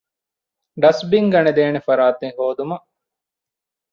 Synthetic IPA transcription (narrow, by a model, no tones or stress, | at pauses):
ɖɐsbiŋɡɐned̪eːnefɐɾaːt̪eŋɦoːd̪umɐʔ